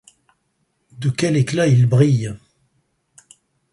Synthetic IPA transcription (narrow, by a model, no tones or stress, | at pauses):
d̪əkʲɛleklailbʁij